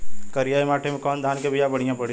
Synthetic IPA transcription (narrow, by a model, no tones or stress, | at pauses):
kəɾijaːimaːʈʰemẽkɔːnd̪ʱaːnkebijabɐɽ̤ijãpɐɽ̤